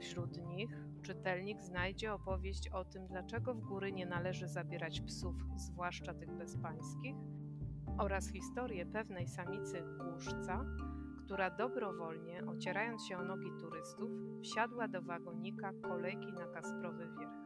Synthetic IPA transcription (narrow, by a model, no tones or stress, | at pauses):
fɕɾut̪ɲix | t͡ʂɘt̪ɛlɲiɡznajd͡ʑɛɔpɔvʲjeɕt͡ɕɔt̪ɘmd̪lat͡ʂɛɡɔvɡuɾɘɲɛnalɛʐɘzabʲjɛɾat͡ɕpsufzvwaʂt͡ʂat̪ɘɣbɛspaj̃skʲix | ʔɔɾasxʲist̪ɔɾjɛpɛvnɛjsamʲit̪sɘkuʂt̪sa | kt̪uɾad̪ɔbɾɔvɔlɲɛʔɔt͡ɕɛɾajɔnt̪ɕɛɔnɔɡʲit̪uɾɘst̪ufːɕad̪wad̪ɔvaɡɔɲikakɔlɛjkʲinakaspɾɔvɘvʲjɛɾ